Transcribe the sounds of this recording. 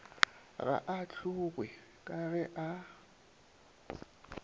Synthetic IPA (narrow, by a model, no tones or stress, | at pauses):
ɣa̰ʔat͡ɬʰuɣwɛ | kʼaɣɛʔa